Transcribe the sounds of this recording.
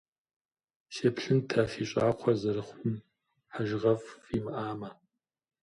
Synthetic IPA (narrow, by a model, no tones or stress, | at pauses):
ʃepɬɨntʰaːfiːɕʼaːqʷʰɔzɐɾɨχʷʊm | ħaʒʁɐfiːmɨʔaːmɐ